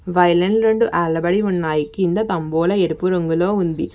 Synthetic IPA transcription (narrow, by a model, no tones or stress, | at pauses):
ʋɐjlɐɳɖɾeɳɖuʔaːɭːɐbɐɽiunːaːjikind̪ɐt̪ɐmbɔːlɐeɾupuɾɐŋɡulo̞ːund̪i